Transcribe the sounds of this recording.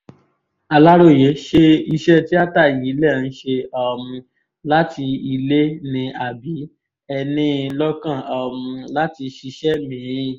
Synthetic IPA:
a˧la˦ɾo˦˨je˨˦ʃe˧i˧ʃɛ˦ti˦a˦ta˦˨ji˨˦lɛ˦˨n̩˦ʃe˧ɔ˧˨mũ˧ | la˦ti˧i˧le˦nĩ˧a˨bi˨˦ | ɛ˧nĩ˧lɔ˦kã˦˨ɔ˨mũ˧la˦ti˧ʃi˧ʃɛ˦mĩ˦˧

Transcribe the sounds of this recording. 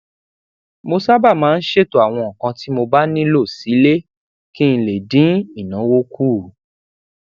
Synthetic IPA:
mo˧sa˦ba˦˨mãː˨˦˧n̩˦ʃe˦˨to˧a˨w̃ɔ̃˧˨kã˧ti˦mo˧ba˦nĩ˦lo˦˨si˨˦le˦ | kĩ˦ĩ˧le˨dĩ˨˦i˦˨nã˨˦wo˦kuː˦˨

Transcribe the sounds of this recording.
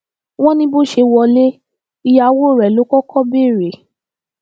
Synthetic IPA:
w̃ɔ̃˦nĩ˧bo˦˨ʃe˧wɔ˧le˦ | i˧ja˧wo˦˨ɾɛ˨lo˨˦kɔ˦kɔ˦be˦˨ɾe˨

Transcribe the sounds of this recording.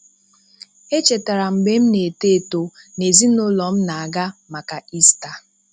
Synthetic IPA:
e˦t͡ʃe˨ta˨ɾa˨m̩˨ɡ͡be˨˦m̩˦ne˨te˦˨to˨ne˨zi˦nʊ˦lɔ˨m̩˦na˨a˨ɡa˦ma˨ka˨i˦sta˨

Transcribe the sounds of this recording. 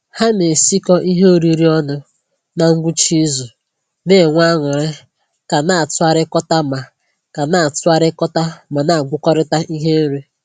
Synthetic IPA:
ha˦ne˨si˦kɔ˦ʔi˦ɦe˦o˨ɾi˦ɾi˦ɔ˦nʊ˦ | na˨ŋ̩˦ɡʷu˦t͡ʃi˦zu˨ | ne˦˨ŋʷa˦ŋʊ˨ɾɪ˦ | ka˨na˨a˨tʊ˦a˦ɾɪ˦kɔ˦ta˦ma˨ | ka˨na˨a˨tʊ˦a˦ɾɪ˦kɔ˦ta˦ma˨na˦˨a˨ɡʷʊ˦kɔ˦ɾɪ˦ta˦ʔi˦ɦe˦n̩˦ɾe˦

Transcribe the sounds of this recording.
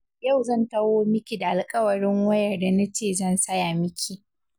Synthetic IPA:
ja˦˨wzɐ˦˨ntɐ˦woː˦mɪ˦kʲi˨da˨ʔa˨lkʼɐ˦wɐ˨ɽɪ˦ŋwɐ˦jɐ˨rda˨na˦t͡ʃeː˦˨zɐ˦˨nsɐ˦ja˨mɪ˦kʲʰi˨

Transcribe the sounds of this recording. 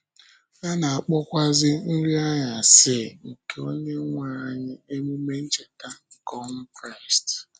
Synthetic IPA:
ɲa˦na˨a˨k͡pɔ˦kʷa˦zɪ˦n̩˦ɾi˦a˦ja˨sɪ˦ŋ̩˨ke˨o˦ɲe˦ŋʷa˨ɲɪ˦e˦mu˦me˦n̩˦t͡ʃe˨ta˦ŋ̩˨kɔ˦ŋ̩˦kɾa˦˨ɪ˨st

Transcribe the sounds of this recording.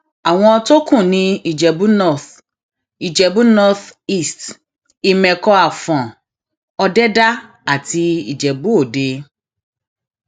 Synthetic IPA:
a˨w̃ɔ̃˧ɔ˧to˦kũ˦˨nĩ˧i˨d͡ʒɛ˨bu˦nɔ˦˨θ | i˨d͡ʒɛ˨bũ˦nɔ˧θi˦˨st | i˨mɛ̃˨kɔ˧a˨fɔ̃˨ | ɔ˧dɛ˦da˦ | a˨ti˧i˨d͡ʒɛ˨bu˨˦o˦˨de˧

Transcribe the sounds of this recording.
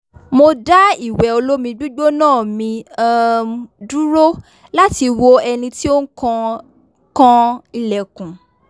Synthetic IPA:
mo˧da˦i˦˨wɛ˨o˧lo˦mĩ˧ɡ͡bu˦ɡ͡bo˦nãː˦˨mĩ˧ | du˦ɾo˦ | la˦ti˧wo˦ɛ˧nĩ˧ti˦o˦n̩˦kɔ̃˧ | kɔ̃˦i˧lɛ˨kũ˨

